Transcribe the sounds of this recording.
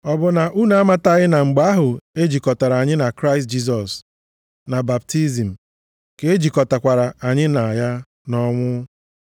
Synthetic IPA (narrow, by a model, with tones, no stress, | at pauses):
ɔ˨bʊ˨na˨ʔu˦na˨a˦ma˦ta˨ɣɪ˦na˨ŋ͡m̩˨ɡ͡ba˦a˦ɦʊ˨e˦d͡ʒi˨kɔ˨ta˨ɾa˨a˨ɲɪ˦na˨kɾa˦ɪ˨s̬t̚d͡ʒi˦s̬ɔ˨s | na˨ba˨b̚ti˦zi˨m̩˨ | ke˦e˦d͡ʒi˨kɔ˨ta˨kʷa˨ɾa˨a˨ɲɪ˦na˨a˨ja˦ | nɔ˦ŋʷʊ˦